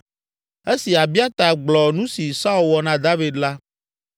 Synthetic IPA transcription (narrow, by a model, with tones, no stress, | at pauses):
e˦si˨a˨bi˦a˦t̪a˨ɡ͡blɔ˨nũ˦si˨sa˦u˦˨lwɔ˨nã˨d̪a˦vi˨d̪la˦